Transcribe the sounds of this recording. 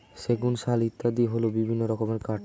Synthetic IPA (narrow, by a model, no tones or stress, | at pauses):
ʃeɡunʃalit̪ːad̪iɦolobibʱinːoɾɔkomeɾkaʈ